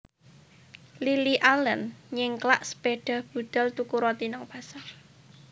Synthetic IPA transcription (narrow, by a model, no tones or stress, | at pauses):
liliʔalənɲɪŋklaʔsə̥b̥eɖ̥a̤hb̥ṳd̪̥a̤lt̪ukuɾɔt̪inɔŋb̥a̤sar